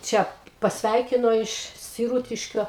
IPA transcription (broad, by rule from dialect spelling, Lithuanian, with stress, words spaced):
ˈt͡ʃʲɛ pɐsʲˈʋʲɛɪkʲɪnoː ɪʃ sʲɪˈruːtʲɪʃʲkʲoː